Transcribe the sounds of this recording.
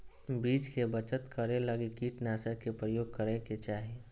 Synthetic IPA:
biːt͡ʃkebət͡ʃət̪kəɾeləɡikiʈnaːsəɾkepɾəjoːɡ̚kəɾeket͡ʃaːɦie

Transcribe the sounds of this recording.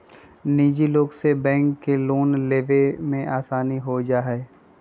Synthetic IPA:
niːd͡ʒiloːɡsebɛ̃ːŋkːeloːnleːʋemẽʔaːsaːniɦod͡ʒaːɦɛ

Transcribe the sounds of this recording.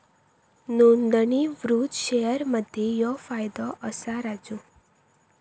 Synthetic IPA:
nuɳd̪əɳiʋɾut̪ʃejəɾməd̪ʱjejɔfajd̪ɔʔəsaɾad͡ʒũ

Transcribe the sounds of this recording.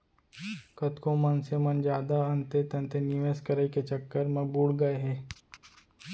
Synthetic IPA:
kɐt̪kõmənsemɐnd͡ʒaːd̪aə̃nt̪et̪ɐ̃nt̪enɪʋeːskəɾəiket͡ʃɐkːəɾmɐ̃buːɽɡɐeɦɛː

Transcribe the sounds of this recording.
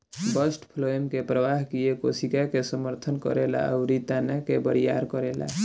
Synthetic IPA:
bəsʈpʰloimkepɾəʋaɦkijekosikakesəməɾt̪ʰənkɔ̰ɾela̰a̰ʊɾit̪anakebəɾija̰ɾkəɾela̰

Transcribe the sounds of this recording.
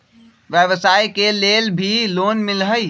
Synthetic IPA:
ʋjəʋəsaːikeleːlbʱiloːnmɪlɦəi

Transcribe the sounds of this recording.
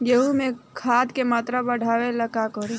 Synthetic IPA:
jeɦumẽkʰaːd̪kemaːt̪ɾabɐɽ̤ʱaːʋelɐkakɔɾi

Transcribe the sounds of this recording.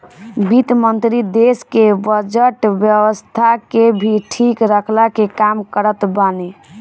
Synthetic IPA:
bit̪mənt̪ɾid̪eskebəd͡ʒəʈbjəwəst̪ʰakebʱiʈʰikɾəkʰlakekamkəɾət̪bane

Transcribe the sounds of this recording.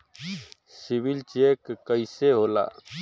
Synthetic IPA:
sibilt͡ʃekkːəjseɦola̰

